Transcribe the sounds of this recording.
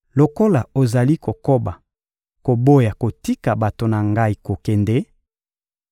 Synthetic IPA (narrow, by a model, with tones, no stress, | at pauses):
lo˨ko˦la˨o˨za˨li˦ko˨ko˦ba˨ | ko˨bo˦ja˨ko˨ti˦ka˨ba˨to˨na˨ŋɡa˦i˨˦ko˨kɛ˨nde˦